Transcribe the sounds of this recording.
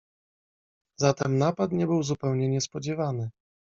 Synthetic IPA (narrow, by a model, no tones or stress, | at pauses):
zat̪ɛmnapat̪ɲɛbɘwzupɛwɲɛɲɛspɔd͡ʑɛvanɘ